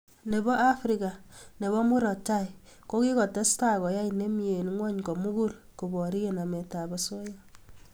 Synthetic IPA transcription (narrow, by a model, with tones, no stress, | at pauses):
ne˨bɔ˦ʔa˦fɾika˨ne˨bɔ˦mu˦ɾɔ˨t͡ʃa˦˨ko˦ki˦kɔ˨tɛ˦sta˦kɔ˨ja˦ine˦mi˦e˨nŋwɔ˦ɲkɔ˨mu˦ɡu˦l | ku˨bɔ˨ɾi˦e˨na˨mɛ˨ta˨bɔ˨so˦ja